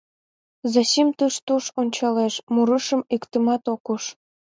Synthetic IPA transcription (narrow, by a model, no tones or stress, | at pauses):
zɑɕimt̪əʃt̪uʃonʲt͡ɕɑleʃmuɾəʃə̆mikt̪ə̆mɑt̪okuʃ